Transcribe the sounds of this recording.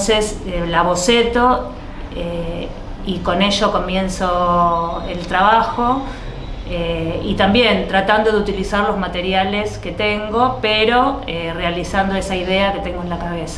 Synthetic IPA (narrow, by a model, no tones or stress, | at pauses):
seselaβo̞set̪o̞ | e | iko̞ne̞ʃoko̞mje̞nso | elt̪ɾaβaxo̞ | eit̪ambje̞nt̪ɾat̪and̪o̞ð̞eut̪ilisaɾlo̞zmat̪e̞ɾjale̞ske̞t̪e̞ŋɡo̞peɾo̞erealisand̪o̞esaiðe̞ake̞t̪e̞ŋɡoenlakaβesa